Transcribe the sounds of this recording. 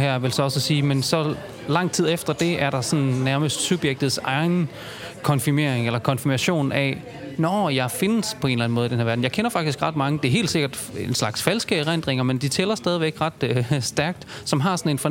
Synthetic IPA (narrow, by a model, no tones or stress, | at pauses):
hæɐ̰ʋe̝lsɒ̽ɒ̽səsiːmensɒ̽ | lɑ̈ŋ̰t͡sʰið̞̰ˠefd̥ɐd̥e̝æɐɾ̥ɑ̈sɒ̽nnæɐməsd̥sub̥jeɡ̥̚d̥ð̞̩ˠsɑ̈ɪn̩ | kʰɒ̽nfime̝̰ɐeŋelɐkʰɒ̽nfimæɕo̝̰ːnæ | nɒjɑ̈ɪfe̝nəspʰɒ̽e̝ːnlæn̩mɔ̽ːðid̥enheɐæɐdn̩jɑ̈ɪkʰenɐfɑ̈ɡ̥d̥isɡ̥ʁɑ̈d̥mɑ̈ŋəd̥e̝ɐɦe̝̰ːld̥se̝ɡ̥ɐd̥ | enslɑ̈ɡ̥sfælsɡ̥əʁen̰d̥ʁeŋɐmend̥it͡sʰelɐsd̥ɛðˠiʋeɡ̥ʁɑ̈d̥sd̥æɐɡ̥̚d̥sɒ̽mɦɑ̈sɒ̽ne̝nfɒ